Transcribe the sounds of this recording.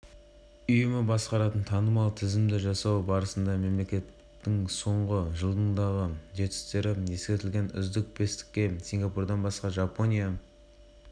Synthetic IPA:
ʏjɪmɪbɑsqɑɾɑt̪ənt̪ʰɑnəmɑlˠt̪ʰɪzɪmd̪ɪʒɑsɑwbɑɾəsənd̪ɑme̞mle̞kʲe̞t̪ːɪŋso̞ɴʁəʒəlˠd̪ənd̪ɑʁəd̪e̞t̪ɪ̥st̪e̞ɾɪe̞skʲe̞t̪ɪlʲɡʲe̞nʏ̰zd̪ɪk̚pʰe̞st̪ɪ̥k̚ʲːe̞siŋɡɑpurd̪ɑnbɑsqɑʒɑpo̞nʲija

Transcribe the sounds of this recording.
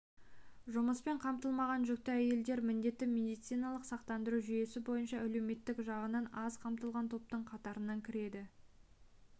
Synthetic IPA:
ʒʊməspe̞ɴqʰɑmt̪əlˠmɑʁɑnʒʏk̚t̪ɪæje̞ld̪e̞ɾmɪnd̪e̞t̪ːɪmʲe̞d̪ijt̪sijnɑlˠəqsɑqt̪ɑnd̪əɾuʒʏje̞sɪbo̞jənʃɑʔæle̞wme̞t̪ːɪkʒɑʁənɑnɑzqʰɑmt̪əlˠʁɑnt̪ʰo̞p̚t̪əɴqʰɑt̪ɑɾənɑŋkʲʰɪɾe̞d̪ɪ

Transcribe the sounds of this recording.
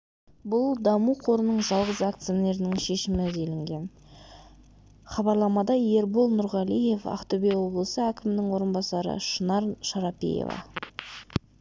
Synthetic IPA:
bʊlˠd̪ɑmuqʰo̞ɾənəɴʒɑlˠʁəzakt̪sijone̞ɾɪnɪŋʃe̞ʃɪmɪzelɪŋɡʲe̞n | χɑbɑɾlˠɑmɑd̪ɑje̞ɾbolˠnʊɾʁɑlije̞fɑ̰qt̪obejwo̞blˠəsəækʲɪmɪnɪŋwo̞ɾənbɑsɑɾə̰ʃənɑɾʃɑɾɑpḭjḛvɑ̰

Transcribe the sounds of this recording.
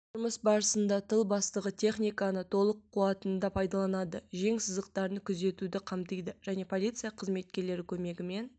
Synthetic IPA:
t̪ʰʒʊɾməsbɑɾəsənd̪ɑt̪ʰəlˠbɑst̪əʁət̪ʲʰe̞χnʲijkɑnət̪ʰo̞lˠəqʰːuɑt̪ənd̪ɑpʰɑjd̪ɑlˠɑnɑd̪əʒe̞ŋsəzd̪əq̚t̪ɑɾənəkʲʰʏze̞t̪ud̪ɪqʰɑmt̪əjd̪əʒ̥æne̞pʰo̞lʲijt̪sɨjɑqʰəzme̞t̪̚kʲe̞ɾle̞ɾɪkʲʰɵme̞ɡʲɪme̞n

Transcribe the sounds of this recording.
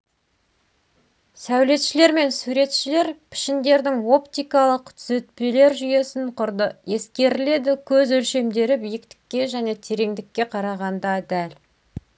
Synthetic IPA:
sæwle̞t̪ʃɪle̞ɾme̞nsuɾe̞t̪ʃɪle̞ɾpʰɪ̥ʃɪnd̪e̞ɾd̪ɪŋo̞pt̪ijkɑlˠəqt̪ʰʏzet̪̚pe̞le̞ɾʒʏje̞sɪɴqʰʊɾd̪əje̞skʲe̞ɾɪle̞d̪ɪkʲʰɵzɵlʃe̞md̪e̞ɾɪbijɪkt̪ɪ̥kʲːe̞ʒæne̞t̪ʰe̞ɾe̞ŋd̪ɪkʲːe̞qʰɑɾɑʁɑnd̪ɑd̪æl

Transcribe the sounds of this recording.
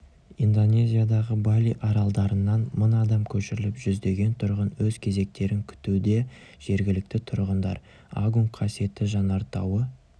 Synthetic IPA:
ind̪o̞nʲe̞zʲijad̪ɑʁəbalʲiʔɑɾɑlˠd̪ɑɾənːɑnmʊnɑd̪ɑmkʲʰɵʃɪɾɪlɪpʒʏzd̪e̞ɡʲe̞nt̪ʰʊɾʁənwɵzkʲʰe̞ze̞k̚t̪e̞ɾɪŋkʲʰʏ̥t̪ud̪e̞ | ʒ̥e̞ɾɡʲɪlɪk̚t̪ɪt̪ʰʊɾʁənd̪ɑ̰ɾ | a̰ɡuŋkqʰːɑsie̞t̪ɪʒɑnɑɾt̪ɑwə

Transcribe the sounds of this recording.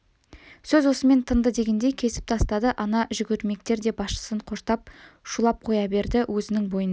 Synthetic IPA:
sɵzwo̞səme̞nt̪ʰənd̪əd̪e̞ɡʲe̞nd̪e̞jkʲʰe̞sɪ̥p̚t̪ʰɑst̪ɑd̪əʔɑnɑʒʏɡʲʏɾme̞kt̪e̞ɾd̪e̞bɑsʃə̥səɴqʰo̞ʃt̪ɑp̚ʃulˠɑp̚qʰo̞jɑbe̞ɾd̪ɪwʔɵzɪnɪŋbo̞jən

